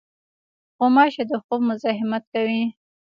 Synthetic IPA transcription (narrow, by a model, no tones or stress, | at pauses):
xomɑʃed̪əqukmʊzɑɦɪmat̪̚kawi